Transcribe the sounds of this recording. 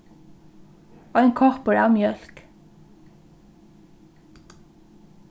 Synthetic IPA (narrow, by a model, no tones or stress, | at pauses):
ɑɪŋkʰɑʁpəɹæːʁmjœlk